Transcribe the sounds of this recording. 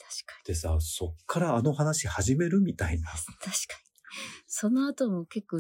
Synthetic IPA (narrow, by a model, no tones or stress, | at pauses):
t̪ḁɕi̥kḁd̪esaso̞kʰːaɾaːno̞hanaɕihaʑime̞ɾɯ̟mʲit̪ainat̪aɕi̥kḁɲʲiso̞no̞at̪o̞moke̞kːoː